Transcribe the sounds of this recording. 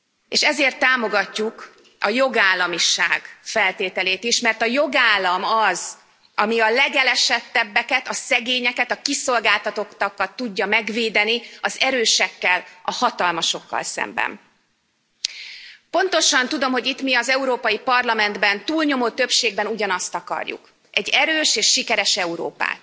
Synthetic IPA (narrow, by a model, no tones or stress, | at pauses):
eːʃɛzeːrt̪ːaːmo̞ɡɒcːuk | ɒjo̞ɡaːlːɒmiʃaːɡfɛlt̪eːt̪ɛleːt̪iʃmɛrt̪ɒjo̞ɡaːlːɒmɒz | ɒmiɒlɛɡɛlɛʃɛt̪ːɛbːɛkɛt̪ɒsɛɡeːɲɛkɛt̪ɒkiso̞lɡaːlt̪ɒt̪o̞kt̪ɒkːɒt̪ːuɟːɒmɛɡveːd̪ɛniɒzɛɾøːʃɛkːɛlɒhɒt̪ɒlmɒʃo̞kːɒ̰lsɛ̰mbɛ̰n | po̞nt̪o̞ʃɒnt̪ud̪o̞mɦo̞ɟit̪miɒzɛuɾoːpɒjipɒrlɒmɛnd̪bɛnt̪uːlɲo̞moːt̪ø̞pʃeːɡbɛnuɟɒnɒst̪ɒkɒ̰rjṵk | ɛɟːɛɾøːʃeːʃːikɛɾɛʃɛuɾo̰ːpa̰ːt̪̚